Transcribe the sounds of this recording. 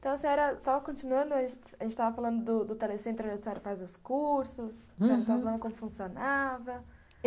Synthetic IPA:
t̪ɐ̃w̃ɐsĩɛɾɐsɔvɐkõnt͡ʃinuɐ̃nd̪ʊɐʒẽt͡ʃ | aʒẽnt͡ʃɪt̪avɐfalɐ̃nd̪ʊd̪ʊd̪ʊt̪elesẽnt̪ɾʊsɛɾɐfazʊskuɾsʊs | ẽt̪avɐfalɐ̃nd̪ʊkõmʊfũsionavɐ

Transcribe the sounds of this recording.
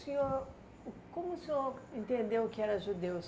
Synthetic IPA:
siɲoɾ | kõmʊsioɾẽnt̪ẽnd̪ewʊkɪɛɾɐʒud̪ews

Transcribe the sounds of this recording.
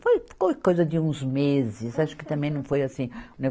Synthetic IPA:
fojkawkɛkojzɐd̪ɪũzmezɪsaʃʊ̥kɪ̥t̪ɐ̃mbẽj̃nɐ̃w̃fojasĩũne

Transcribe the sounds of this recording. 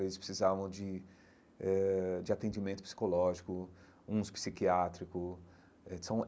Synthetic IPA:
vezɪspɾɪsizavɐ̃w̃d͡ʒɪ | ɛd͡ʒɪat̪ẽd͡ʒimẽnt̪ʊ̥pi̥si̥kolɔʒikʊ | ũspi̥sikiat̪ɾikʊ | ɛsɐ̃w̃

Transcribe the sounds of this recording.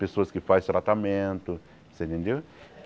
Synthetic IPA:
pesoɐskɪfajst̪ɾat̪amẽnt̪ʊ | sẽẽnd̪ew

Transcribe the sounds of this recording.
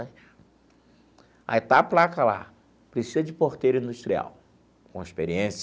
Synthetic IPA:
t͡ʃ | ɐ̰et̪aplakɐla̰ | pɾesizɐd͡ʒɪpoɾt̪ejɾʊĩnd̪uʃt̪ɾia̰w | kõeʃpeɾiẽs

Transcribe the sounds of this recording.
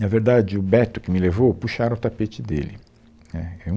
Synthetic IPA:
nɐveɾd̪ad͡ʒɪʊbɛt̪ʊkɪmɪlevowpuʃaɾɐʊt̪apet͡ʃɪd̪ḛlɪ̰ | nɛɛũ

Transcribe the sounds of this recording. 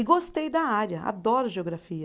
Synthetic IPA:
ɪɡost̪ejd̪ɐaɾɐa̰d̪ɔɾʊʒeoɡɾafiɐ

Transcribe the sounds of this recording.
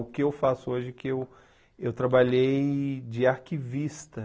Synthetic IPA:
ʊkɪewfasʊoʒɪɛkɪew | ewt̪ɾabaʎejd͡ʒɪaɾkivist̪ɐ

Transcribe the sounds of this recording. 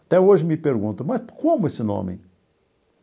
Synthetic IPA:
ɐt̪ɛoʒɪmɪpeɾɡũnt̪ʊmɐskõmʊesɪnõ̰mɪ̰

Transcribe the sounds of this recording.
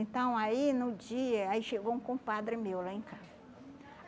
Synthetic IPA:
ẽnt̪ɐ̃w̃ainʊd͡ʒiɐaiʃeɡõkõpad̪ɾɪmewlaẽkazɐ

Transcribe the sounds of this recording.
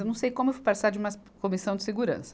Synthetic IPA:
ewnɐ̃w̃sejkõmʊewfvopasaɾd͡ʒɪũmɐkomisɐ̃w̃d͡ʒɪseɡuɾɐ̰̃sɐ̥

